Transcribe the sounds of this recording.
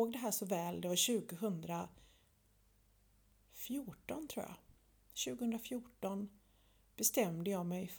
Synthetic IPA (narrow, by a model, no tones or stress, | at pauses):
oːɡd̪ɛɦæːʂɔvɛːld̪ɛvaɕʉ̟ːɡəɦɵnd̪ɾa | fjuʈɔnt̪ʰɾṵːja̰ | ɕʉ̟ːɡəhɵnd̪ɾafjʊʈɔn | b̥ɛst̪ɛmd̪əjɑːmɛjf